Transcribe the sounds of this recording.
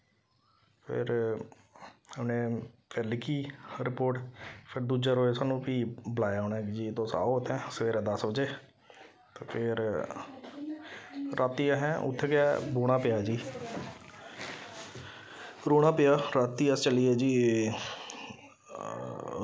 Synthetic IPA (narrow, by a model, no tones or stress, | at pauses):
pʰɪ̰ɾ | əmnẽːpɛlɪkiːɾɪpoːʈpʰɪɾd̪uːd͡ʒaːɾoːesaːnũːpiːbəlaːjaːoːnaːkd͡ʒiːt̪õːsa̰ːot̪ʰɛ̃ːsəʋeːɾãːd̪əsbəd͡ʒeː | t̪ːpʰɪɾ | ɾʔaːt̪iːãɦɛ̃ːʔʊ̰t̪ʰːeːkɛːboːɽ̃ãːpɪjaːd͡ʒiː | ɾoːɽ̃ãːpɪjaːɾaːt̪ːiːəst͡ʃəliːɛːd͡ʒiː